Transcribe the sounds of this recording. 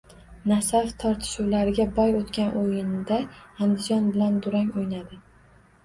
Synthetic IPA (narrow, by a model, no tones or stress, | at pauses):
nasaft̪ʰɒɾt̪ʰɪ̥ʃuwlaɾɪɡʲabɒjot̪kʲanʔojɪnd̪aand̪ɪd͡ʒɒnbɪland̪ʊɾaŋojnad̪ɪ